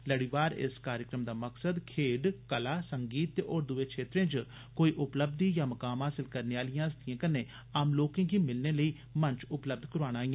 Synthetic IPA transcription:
ləɽiːʋaːɾɪ̰skaːɾjəkɾəmd̪aːməksəd̪kʰeːɖkəlaːsəŋɡiːt̪ɔːɾd̪ʊʋeːkʰʃeːt̪ɾẽːd͡ʒ | koːiːʔʊpləb̚d̪iːjãːməkaːmɦaːsɪlkəɾneːaːlɪjãːɪst̪ijãːkəneː | aːmloːkẽːɡiːmɪlneːləiː | mə̃ɲt͡ʃʊpləb̚d̪kəɾaːñaːiːãː

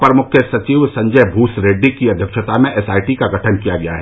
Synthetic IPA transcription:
pɾɐmʊkʰjəsɐt͡ʃiːʋsɐ̃ɲd͡ʒəbʱuːsɾeːɖːikiɐd̪ʱjəkʃət̪amẽʔɛsaːiʈikaɡʱɐʈʰənkijaɡɐja̰ɦɛː

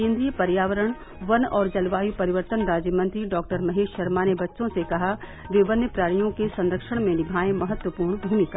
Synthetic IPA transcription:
kẽːnd̪ɾijəpɐɾjaːʋəɾəɽ̃ | ʋɐnɔːɾd͡ʒɐlʋaːjupɐɾɪʋəɾt̪ənɾaːd͡ʒjəmɐ̃nt̪ɾiɖɔːk̚ʈəɾmɐɦeːʃʃɐɾmanebɐtːʃõsekɐɦa | ʋɪʋənjəpɾaːɾijõkesɐ̃nɾəkʃəɽ̃mẽnɪbʱaːẽmɐɦət̪wəpuːɾɳbʱuːmɪka

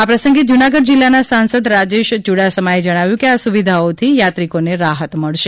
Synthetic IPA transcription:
apɾəsə̃ŋɡed͡ʒunaɡəd̪̚d͡ʒilːanasansəd̪ɾad͡ʒeʃd͡ʒuɽasəmaed͡ʒəɽ̃aʋjũkeasuʋid̪ʱaot̪ʰijat̪ɾikoneɾaɦət̪məɭʃe

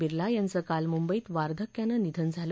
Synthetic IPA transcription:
iɾlajant͡səkalmumbəiːt̪ʋaɾd̪ʱəkjanːənid̪ʱənd͡zʱal

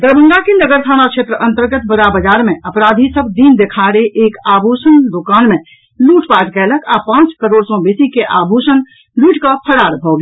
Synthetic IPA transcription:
d̪əɾbə̃ŋɡ̪akenəɡəɾt̪ʰanat͡ʃʰʃʰet̪ɾəʔə̃nt̪əɾɡət̪̚bəɾabəd͡ʒaɾmeəpɾad̪ʱisəbʱd̪ind̪ekʰaɾeʔekabʱusənd̪okanmẽ | luʈpaʈkɛləkʰapãt͡ʃkəɾoɽsɔ̃besikeʔabʱusən | luʈkəpʰəɽaɾbʱɔɡi

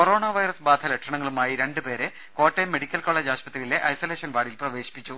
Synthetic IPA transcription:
koɾo̞ːɳɐʋɐjrɐsbaːd̪ʱʰɐlɐkʂɐɳɐŋːɐɭumaːjiɾe̞ɳɖɨpe̞ːɾe | ko̞ːtːemːe̞ɽikʲːɐlko̞ːɭɐd͡ʑaːɕpɐt̪rijile̞ʔɐjsoleːʂɐnʋaːɽilprɐʋe̞ːɕi̥pːit͡ɕːu

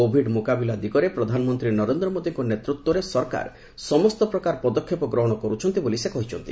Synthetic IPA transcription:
obʱiɖmukabilad̪ikɔɾepɾɔd̪ʱanɔmɔnt̪ɾinɔɾend̪ɾɔmod̪iŋkɔnet̪ɾut̪wɔɾesɔɾka̰ɾ | sɔmɔst̪ɔpɾɔkaɾpɔd̪ɔkʰːjepɔɡɾɔɦɔɽ̃ɔkɔɾut͡ʃʰɔnt̪ibolisekɔɦit͡ʃʰɔnt̪i

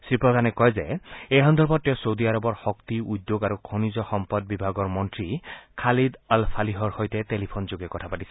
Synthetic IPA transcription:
sɹipɹɔd̪ʱanɛkɔjzeejɦɔnd̪ʱɔɹbɔt̚tːɛwsowd̪iaɾɔbɔɹxɔkt̪iud̪joɡaɾukʰɔnizɔxɔmpɔd̚bibʱaɡɔɹmɔntɹikʰalid̪alpʰaliɦɔɹxojtɛtelipʰonzoɡɛkɔtʰapatisɛ̥

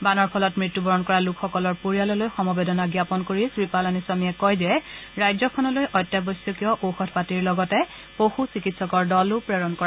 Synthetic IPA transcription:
banɔɹpʰɔlɔtmɹitːubʱɔɹɔnkɔɹalukʰxɔkɔlɔɹpoɹijalɔlojxɔmɔbedɔnaɡjapɔnkoɹisɹipalanisamiɛkɔjzɛɹajzɔkʰɔnɔlojʔɔjtːjabɔsjɔkiɔʔoxɔtʰpatiɹlɔɡɔtɛ | poxusikitsɔkɔɹdɔlʊpɹɛɹɔnkɔɹa

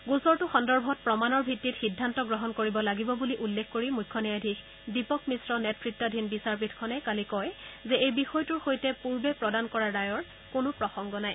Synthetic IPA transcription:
ɡusɔɹtʊxɔndɔɹbʱɔt̚pɹɔmanɔɹbʱitːitxidʱːantɔɡɹɔɦɔnkoɹibɔlaɡibɔbuliʔulːekʰkoɹimujkʰːɔniadʱix | dipɔkmisɹɔnɛtʰɹitːɔdʱinbisaɹpitʰkʰɔnɛkalikɔjzɛejbixɔjtuɹxojtɛpuɹbɛpɹɔdankɔɹaɹajɔɹ | kʊnʊpɹɔxɔŋɡɔnaj

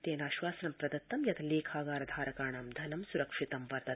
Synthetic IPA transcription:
t̪eːnaːʃʋaːsɐnɐmpɾɐd̪ɐt̪ːɐmjɐt̪ʰleːkʰaːɡaːɾɐd̪ʱaːɾɐkaːɳaːmd̪ʱɐnɐmsuɾɐkʂit̪ɐmʋɐɾt̪ɐ

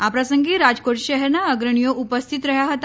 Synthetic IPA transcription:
apɾasəŋɡiːɾad͡zkoʈɕəɦɛɾnaəɡɾəɳ̃ijoʔupəst̪ʰit̪ɾəɦjaɦət̪

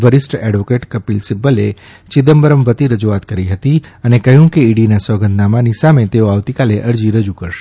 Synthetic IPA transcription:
ʋəɾɪsʈɛɖʋokeʈkəpilsɪbəlḛ | t͡ʃɪd̪əmbəɾəmbət̪iɾəd͡ʒuat̪kəɾiɦət̪iənekəɦjũkeiɽinasɔɡənd̪namanisamet̪eoaʋt̪ikaleʔəɾd͡ʒiɾəd͡ʒukəɾʃe̥

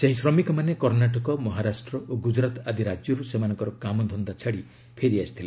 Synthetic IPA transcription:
seɦisɾɔmikɔmanekɔɾnaʈɔkɔmɔɦaɾasʈɾɔʔoɡud͡ʒɾat̪ad̪ʱiɾad͡ʒjɔɾusemanɔ̃ŋkɔɾɔkamɔd̪ʱɔnd̪at͡ʃʰaɽi | pʰeɾiasi̥t̪ʰile

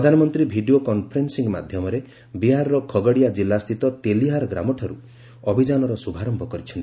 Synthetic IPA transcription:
pɾɔd̪ʱanɔmɔnt̪ɾibʱiɖiokɔnpʰɔɾensiŋma̰d̪ʱjɔmɔɾe | biɦaɾɔɾɔkʰɔɡɔɽijad͡ʒilːast̪ʰit̪ɔt̪eliɦaɾɡɾa̰mɔʈʰɔɾu | ɔbʱid͡ʒanɔɾɔsubʱaɾɔmbʱɔkɔɾit͡ʃʰɔnt̪i

